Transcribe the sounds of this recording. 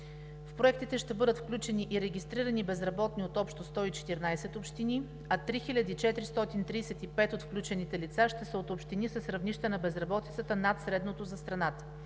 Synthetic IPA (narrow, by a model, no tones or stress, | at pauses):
fpɾoɛkt̪it̪ɛʃt̪ɛbɤd̪ət̪fklʲut͡ʃɛniʔiɾɛɡʲist̪ɾiɾɐnibɛzɾɐbɔt̪niot̪ɔpʃt̪ost̪ɔit͡ʃɛ̥t̪iɾnajsɛt̪opʃt̪ini | ɐt̪ɾixilʲɐd̪iːt͡ʃɛt̪ɾist̪ɔt̪int̪ɾiːsɛt̪ipɛt̪ot̪fklʲut͡ʃɛnit̪ɛlit̪saʃt̪ɛsəot̪opʃt̪inisəsɾɐvniʃt̪ənɐbɛzɾɐbɔt̪i̥t̪sət̪ənat̪sɾɛd̪not̪ozɐst̪ɾɐnat̪ə̥